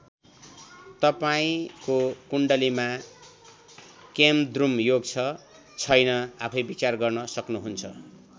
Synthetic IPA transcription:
t̪ʌpaĩkokuɳɖʌlima | kemd̪rumjoɡt͡sʰʌ | t͡sʰʌjnʌapʰʌjbit͡sarɡʌrnʌsʌknuɦunt͡sʰʌ

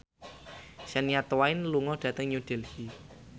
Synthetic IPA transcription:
sɛnijat̪waɪnluŋɔɖ̥ä̤t̪əŋɲuɖ̥ɛ̤lhi

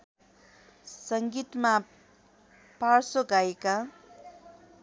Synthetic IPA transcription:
sʌŋɡit̪ma | parsoɡajeka

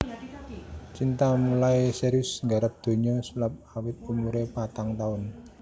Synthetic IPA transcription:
t͡ʃint̪amulaeseɾʊsŋɡaɾəp̚d̪̥o̤ɲɔsulap̚awɪt̪̚umuɾepat̪aŋt̪aʊn

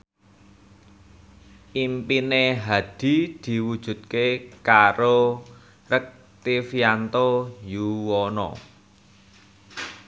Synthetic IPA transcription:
ʔimpineɦad̪̥i̤d̪̥i̤wud̥ʒ̥ṳt̪̚kekaɾo | rək̚ | t̪ifiant̪ojuwɔnɔ̰

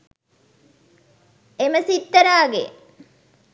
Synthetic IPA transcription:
eməsit̪ːəɾaːɡḛ

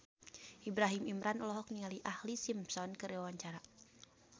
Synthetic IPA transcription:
ʔibɾaɦimimɾanɔlɔɦɔk̚niŋaliʔahlisimpsɔnkəɾiwawaɲt͡ʃaɾa

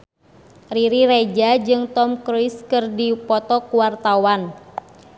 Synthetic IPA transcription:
riɾiɾed͡ʒad͡ʒɨŋt̪ɔmkɾujskɨrdipɔt̪ɔkuwart̪awan

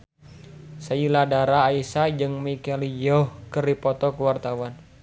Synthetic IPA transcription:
sailadaɾaːisad͡ʒɨŋmikɛlijɔhkəripɔt̪ɔkəwart̪awan

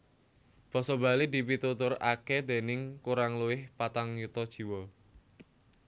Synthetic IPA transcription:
b̥ɔ̤sɔba̤lid̪i̤pit̪ut̪ʊra̰kɛd̪̥e̤nɪŋkuɾaŋluwɪhpat̪aŋjut̪ɔd̥ʒ̥i̤wɔ

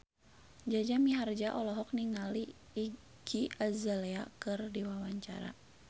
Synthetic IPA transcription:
d͡ʒad͡ʒamiɦard͡ʒaʔɔlɔɦɔk̚niŋaliː | ɡ̥iazalɛakɨrdiwawaɲt͡ʃa̰ɾa̰

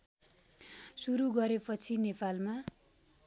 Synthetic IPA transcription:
suɾuɡʌɾepʌt͡sʰinepalma

